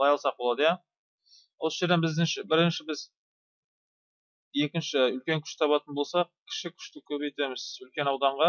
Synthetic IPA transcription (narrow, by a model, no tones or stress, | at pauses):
ɑjɑlˠsɑq̚boɑd̪əjɑ | wosəʒe̞ɾd̪enbɪzd̪ɪnʃɪbɪɾɪnʃɪbɪz | je̞kʲɪnʃɪʏlkʲe̞ŋkʲʰʏ̥ʃt̪ʰɑβɑt̪ənbo̞lˠsɑq̚kʲʰɪ̥ʃɪkʲʰʏ̥ʃt̪ɪkʲʰɵbejt̪e̞mɪz̥ʏlkʲe̞nɑwd̪ɑɴʁɑ